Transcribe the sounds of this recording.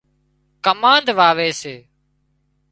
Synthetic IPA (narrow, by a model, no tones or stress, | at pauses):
kəmãːnd̪ʋaːʋeːseː